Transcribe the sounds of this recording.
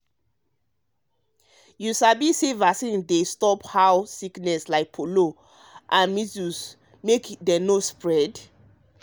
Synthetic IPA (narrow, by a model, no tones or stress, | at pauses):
jusabisevasĩndestɔphawsiknɛslaɪk̚pʰolo | ʔãnmisus | mekdɛnospɹɛd